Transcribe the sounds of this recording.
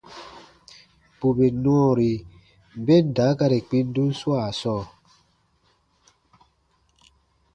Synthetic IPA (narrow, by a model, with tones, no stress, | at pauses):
pu˨be˨nɔ̃ː˦˨ɾi˨ | m˨be˦n̩˨da˨˦ka˦ɾe˨k͡pi˦n̩˦du˦n̩˦swa˦˨sɔ˦˨